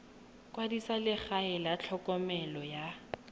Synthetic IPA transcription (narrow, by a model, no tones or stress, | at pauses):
kʼwadisalɪχaɛlat͡ɬʰɔkʼɔmɛlɔja